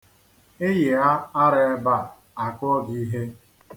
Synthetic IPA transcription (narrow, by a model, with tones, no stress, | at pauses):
ɪ˦je˨a˦a˦ɾɪ˨e˦ba˦˨ | a˨kɔ˦ɡi˨˦ɦe˦